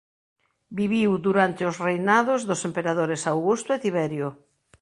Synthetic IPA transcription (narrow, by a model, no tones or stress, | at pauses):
biβiwd̪uɾant̪ɪʊsrejnaðʊzðʊsempeɾaðoɾesawɣust̪ʊet̪iβɛɾjʊ